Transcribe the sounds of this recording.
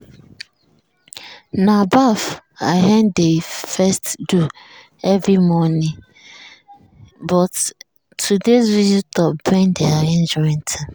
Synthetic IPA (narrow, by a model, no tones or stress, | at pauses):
nãabafa̰ɦɛ̃ndefɛstdu | ɛvɹimɔnĩ | bɔt | tʰːudeswizitɔpbɛ̃ndɛaɛ̃nd͡ʒɔĩntʰã